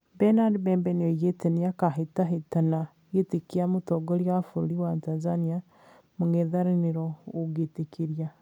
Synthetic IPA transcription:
bɛnadbɛmbɛnojeteniakaɦetaɦetana | ɣetekiamutoɡoɾjafuɾɾiwatanzania | muŋeðaɾineɾooɡetekʰiɾja

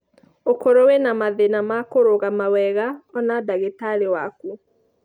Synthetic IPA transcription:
okoɾowenamaðenamakoɾoɣamawɛɣaɔnadaɣetaɾewaku

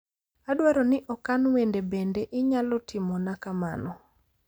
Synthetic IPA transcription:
adwaɾɔnɪʔɔkanwendebendeʔɪɲalɔtʰɪmɔnakama̰nɔ

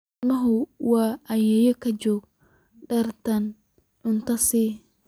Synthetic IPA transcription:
mɐɦʊwɑːʔɐjɛjɔkʰɐt͡ʃɔːɡ̥̚ | ɖɐrt̪ʰɐn | ʔʊnt̪ʰɐsiː

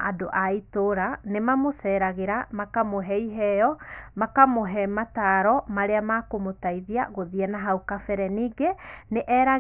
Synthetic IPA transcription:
adoʔaitoɾanemamosɛɾaɣeɾamakamoɦɛiɦɛjɔmakamoɦɛmataɾɔmaɾeamakomotaiðia̰ɣoðiɛnaɦaukafɛɾɛniːɡeneʔɛɾa

